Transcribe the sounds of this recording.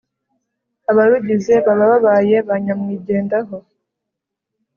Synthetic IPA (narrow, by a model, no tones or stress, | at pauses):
aβaɾuɟize̞βaβaβaβaːje̞βaɲamŋiːɟe̞ːndaɦo̞